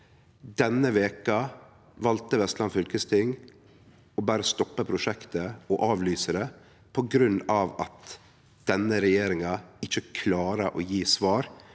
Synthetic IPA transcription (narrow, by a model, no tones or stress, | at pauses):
d̪ɛnːəʋeːkɑ | ʋɑlt̪əʋɛst̪lɑnfʏlkəst̪ʰɪŋ | ɔbæːɾəst̪ɔpːəpʰɾʊʂɛkt̪əɔʔɑːʋlyːsəɾɛ | pʰɔɡɾʉnɑʋɑt̪ | d̪̥ɛnːəɾɛjeːɾɪŋɑɪçəkʰlɑːɾəʔɔjiːsʋɑːɾ